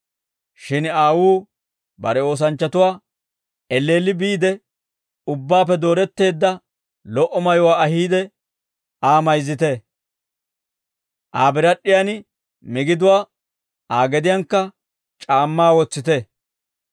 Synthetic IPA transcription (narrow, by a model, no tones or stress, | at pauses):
ʃɪnaːwuː | bɐɾɛo̞ːs̬ɐnt͡ʃːɐt̪ʊwaː | ɛlːe̞ːlːɪbiːd̪ɛ | ʊbːaːp̬ːɛd̪o̞ːɾɛt̪ːe̞ːd̪ːɐ | lɔʔɔmɐjʊwaːɐɦiːd̪ɛ | aːmɐjzːɪt̪ɛ | ʔaːbɪɾɐɗːɪjan | mɪɡɪd̪ʊwaː | aːɡɛd̪ɪjaŋkːɐ | t͡ʃʼaːmːaːwɔt͡sːɪt̪ɛ